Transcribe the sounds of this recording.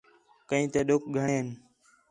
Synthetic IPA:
kəĩːt̪eːɗʊk̚ɡʱəɳeːɦn

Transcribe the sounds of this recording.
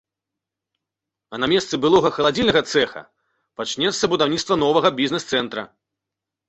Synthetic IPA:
ɐnamʲɛst̪sɨbɨlˠɔɣɐxɐlˠad͡zʲilʲnɐɣɐt̪sɛxɐ̰ | pat͡ʂnʲɛt̪sːɐbud̪awnʲit̪st̪vɐnɔvɐɣɐbʲiznɛst̪sɛnt̪ɾɐ̰

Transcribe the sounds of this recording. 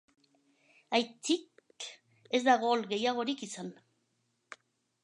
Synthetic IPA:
ajt͡sik | e̞zd̪aɣ̞o̞lɣe̞jaɣo̞ɾikisan

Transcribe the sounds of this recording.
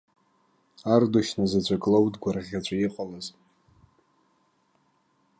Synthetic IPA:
ardoʃnazat͡ʃʷʰʼakʼlowdɡʷaraʁʲat͡ʃʷʰʼajiqʼalaz

